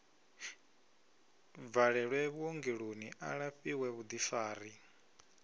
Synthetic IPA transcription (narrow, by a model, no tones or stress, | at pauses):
b̪vaɺɛɺwɛβuoŋɡiɺoniʔa̰ɺaɸiwɛβud̪ifaːɾi